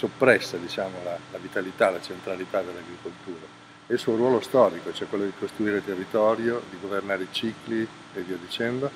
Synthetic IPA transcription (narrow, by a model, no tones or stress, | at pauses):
sopːɾɛsːad̪it͡ʃaːmolalavit̪alit̪alat͡ʃent̪ɾalit̪ad̪elːaɡɾikolt̪uːɾa | eilsuoɾwɔːlost̪ɔːɾikot͡ʃoɛkwelːod̪ikost̪ɾuiːɾelt̪erːit̪ɔːɾjod̪iɡovernaːɾeit͡ʃikli | eviːod̪it͡ʃɛnd̪o